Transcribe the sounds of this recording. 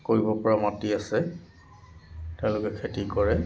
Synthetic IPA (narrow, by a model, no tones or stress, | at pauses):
koɹibɔpɔɹamɔtiasɛ | tɛʊ̃lʊkɛkʰetikɔɹɛ